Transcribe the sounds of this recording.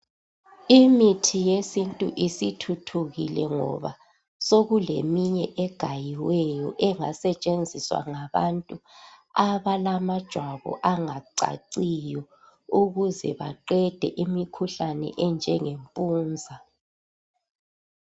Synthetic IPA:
imitʰijesintʼuʔisitʰutʰuɣilɛŋɔ̰βa | soɣulḛmiɲɛʔɛɡ̥ʱajiwɛjɔʔɛŋa̰sɛt͡ʃʼend͡zʱiswa̰ŋaβa̰ntʼuaβalamad̥ʒ̥ʱwaβɔ̰ʔaŋaǀa̰ǀijɔ | uɣuzɛ̰βa̰ǃɛd̥ʱɛʔimikʰuɬanɛ̰ʔɛnd͡ʒʱɛŋempʼuːnd͡zʱa

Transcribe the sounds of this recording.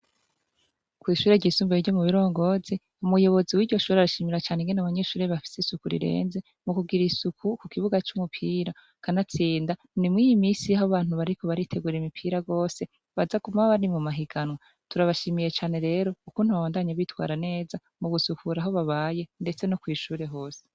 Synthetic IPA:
kwiːʃuːɾe̞ɟiːsuːmbeiɟo̞muβiɾo̞ːŋɡo̞zi | umujo̞βo̞ziwiːɾɟo̞ʃuːɾeaɾaʃiːmiɾat͡ʃaːneŋɡenaβaɲe̞ʃuːɾeβafi̥sesukuɾḭɾe̞̰ːnze̞ | mukuɡiɾisukukukiβuɡat͡ʃumupʰiːɾa | kanat͡siːnda | nimŋiːjimiːsijaɦhoβaːn̥huβaɾiko̞βaɾitʰe̞ɡuːɾeimipʰiːɾaɡo̞ːse̞ | βazakumaβaβaɾimumaɦiɡ̥anwa | tuɾaβaʃiːmije̞t͡ʃaːne̞ɾe̞ːɾo̞ukuːn̥huβaβaːndaɲaβitwa̰ːɾane̞ːza | muɡusukʰuɾaɦo̞βaβaːje̞nde̞t͡se̞nokwiːʃuːɾe̞ɦo̞ːse̥

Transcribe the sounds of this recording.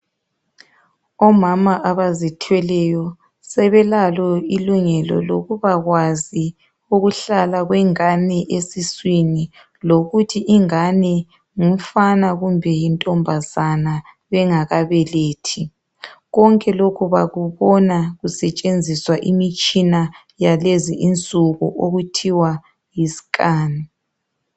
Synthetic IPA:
ɔmamaʔaβazitʰwɛlɛjɔ | sɛβɛlalɔiluŋɛlɔ̰loɣuβaɣwazi | uɣuɬalaɣwɛŋanɛʔesiswini | loɣutʰiʔiŋanɛ | ŋum̩fanaɣumbʱɛjintʼɔmbʱazana | βɛŋaɣaβɛleːtʰi | ɣɔŋkʼɛlokʰuβaɣuβɔnaɣusɛt͡ʃʼend͡zʱiswaʔimit͡ʃʼina | jaleziʔint͡sʼuɣuʔoɣutʰiwa | jisi̥kʼaːni

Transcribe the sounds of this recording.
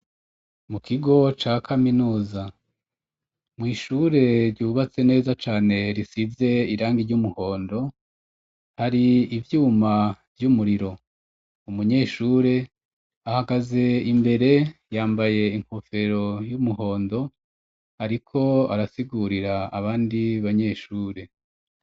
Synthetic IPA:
mukʰiɡo̞t͡ʃaːkʰaminuːza | mŋiːʃuːɾe̞ɾɟuːβat͡se̞ne̞ːzat͡ʃaːne̞ɾisize̞iɾaːŋɡiɾɟumuho̞ːndo̞ | haɾiːvjuːmavjumuɾiɾo̞ | umuɲe̞ːʃuːɾe̞ | ahaɡaze̞imbe̞ɾe̞jaːmbaje̞iŋ̥ho̞fe̞ɾo̞jumuho̞ːndo̞ | haɾikʰo̞aɾasiɡuɾiɾaːβaːndiβaɲe̞ːʃuːɾe̞

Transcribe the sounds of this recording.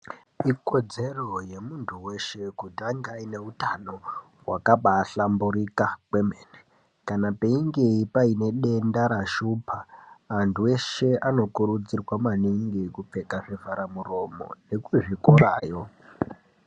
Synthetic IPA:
iko̞d͡ze̞ro̞je̞muntʰuwe̞ʃe̞kutiaŋɡaine̞utano̞ | wakaɓaːɬambuɾikakwemene | kanape̞iŋɡeipaine̞ɗe̞ndaɾaʃupʰaːntʰuwe̞ʃe̞ano̞kuɾud͡zirwamaniŋɡikup͡fe̞kaʐivaɾamuro̞mo̞̰nekuʐikoɾa̰ːjo̞

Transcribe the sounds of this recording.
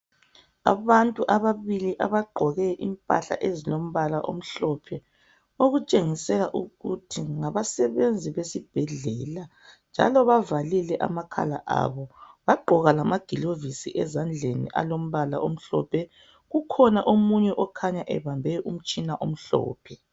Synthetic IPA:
a̰βantʼuʔaβaβiliʔa̰βaɡ͡ǃʱɔɣɛʔimpʼa̰ɬa̰ʔezilom̩βalaʔo̰m̩ɬɔpʰɛ | oɣut͡ʃʼeŋisɛlaʔuɣutʰiŋaβasɛβend͡zʱiβesib̥ʱɛɮɛla | nd͡ʒʱa̰lɔβavalilɛʔa̰makʰa̰la̰ʔa̰βɔβaɡ͡ǃʱɔɣalamaɡ̥ʱilovisḭʔɛzand͡ɮʱenḭʔa̰lom̩βala̰ʔom̩ɬɔ̰pʰɛ | ɣukʰɔnaʔomuɲɛʔɔkʰaɲaʔɛ̰βambʱɛɔʔum̩t͡ʃʼinaʔom̩ɬɔ̰ːpʰɛ

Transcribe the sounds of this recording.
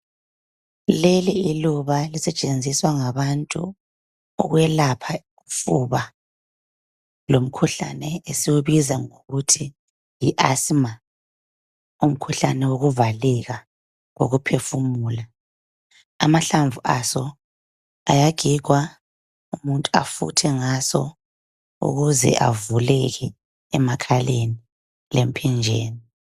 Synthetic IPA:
leliiluβalisɛt͡ʃʼend͡zʱiswaŋaβantʼṵ | ɔ̰ɣwɛlapʰa | ufuβa | lom̩kʰuɬa̰nɛesiwuβizaŋoɣutʰi | jiʔasma | um̩kʰuɬanɛwoɣuvalɛɣa | ŋo̰ɣupʰefumuːla | amaɬaɱvuʔasɔ | ajaɡ̥ʱik̬wa | umuntʼua̰fṵtʰɛŋasɔ̰ | ṵɣuzɛ̰ʔa̰vulɛɣɛː | makʰaleni | lem̩pʰɛnd͡ʒʱeːni

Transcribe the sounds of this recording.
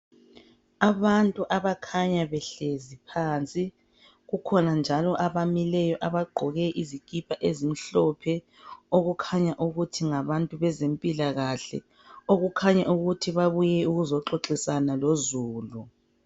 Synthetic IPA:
aβantʼuʔaβakʰaɲaβɛɬezipʰaːnt͡sʼi | ɣukʰɔnand͡ʒʱalɔʔaβamilɛjɔʔaβaɡ͡ǃʱɔɣɛʔizikʼipʰaʔezim̩ɬɔpʰɛ | oɣukʰaɲaʔuɣutʰiŋaβantʼuβɛzempʼilaɣaɬɛ̰ | oɣukʰaɲaʔuɣutʰiβaβujɛuɣuzɔǁoǁisanalozuːlu

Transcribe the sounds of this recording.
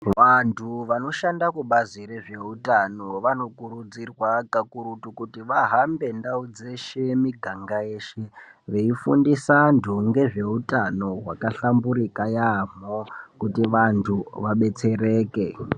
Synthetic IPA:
ʋantʰuʋano̞ʃandakuɓazire̞ʐe̞utano̞ʋano̞kuɾud͡zirwakakuɾutukutiʋaɦambe̞ndaud͡ze̞ʃe̞miɡʱaŋɡaje̞ːʃeʋe̞ifṵndisandʱuŋɡe̞ʐe̞utano̞ɦwakaɬambuɾikajam̤okutiʋantʰuʋaɓe̞t͡se̞re̞ːke̞

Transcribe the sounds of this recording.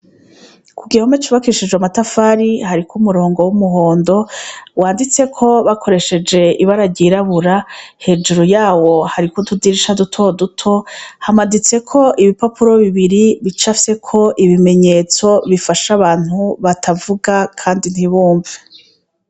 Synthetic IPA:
kuɡihomet͡ʃuβakiiʃid͡ʒɡwamatafaɾihaɾikʰumuɾo̞ːŋɡo̞wumuɦo̞ːndo̞waːndit͡se̞kʰo̞βakʰo̞ɾe̞ʃe̞d͡ʒe̞iβaɾaɟiɾaβuɾahe̞d͡ʒuɾujaːwo̞haɾikodudiɾiʃadutʰodutʰo̞hamadit͡se̞kʰo̞ʔiβipapuɾo̞βiβiɾiβit͡ʃafse̞kʰo̞ʔiβime̞ɲe̞ːt͡so̞βifaʃaβaːn̥huβatʰavuɡakʰaːndin̥hiβuːɱve

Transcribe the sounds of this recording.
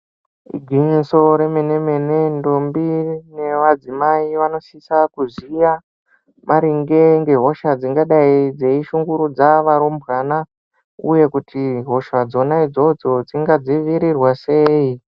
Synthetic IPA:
ḭɡʱiɲiso̞ɾe̞mene̞me̞ne̞ndombine̞ʋad͡zimaiʋano̞sisakuzija | maɾiŋɡe̞ŋɡe̞ɦo̞ʃad͡ziŋɡaɗaid͡ze̞iʃuŋɡuɾud͡zaʋaɾumbɣana | ṵje̞kutʰiɦo̞ʃad͡zo̞naid͡zo̞d͡zo̞d͡ziŋɡad͡ziʋiɾirwase̞ːi

